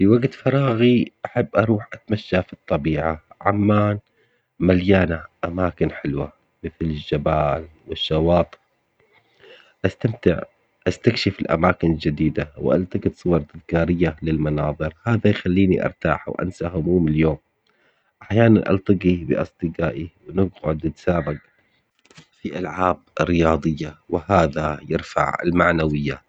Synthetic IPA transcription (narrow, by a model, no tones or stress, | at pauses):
fiwaɡt̪fɑɾˤɑːɣiʔaħabːʔɑɾˤuːħʔat̪maʃːafit̪ˤːɑbiːʕaʕamːaːn | maljaːnaʔamaːkɪnħɪlwa̰ | mɪθlɪʒːabaːlwɪʃːɑwɑːt̪ˤ | ʔast̪amt̪ɪ̰ʕ | ʔast̪akʃɪfɪlʔa̰maːkɪnɪld͡ʒɪd̪iːd̪awʔa̰lt̪ɑɡɪt̪sˤʊwɑɾˤd̪ɪðkaːɾɪjːalɪlmɑnɑːðˤɨɾhaːðajxalːiːniʔɑ̰ɾˤt̪a̰ːħwʔa̰nsahʊmuːmɪljoːm | ʔaħjaːna̰nʔɑ̰lt̪ˤɑɡibɪ̰ʔɑ̰sˤd̪ˤɨɡaːʔiwnɪɡʕʊd̪d̪saːbaɡ | fiʔalʕaːb̚ɾːɪjɑːd̪ˤɨjːawɪhaːðajɪɾfa̰ʕɪ̰lmaʕnawɪjːa